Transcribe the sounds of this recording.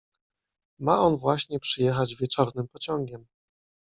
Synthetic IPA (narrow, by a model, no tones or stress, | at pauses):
maɔnvwaɕɲɛpʂɘjɛxad͡ʑvʲjɛt͡ʂɔɾnɘmpɔt͡ɕɔŋɡʲɛm